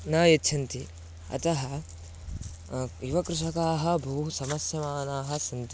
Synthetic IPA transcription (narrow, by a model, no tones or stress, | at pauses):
naːjɐtːt͡ʃʰɐnt̪i | ɐ̰t̪ɐɦɐ | iʋɐkɾuʂɐkaːɦɐ̆bʱusɐmɐsjɐmaːnaːɦɐ̆sɐnt̪i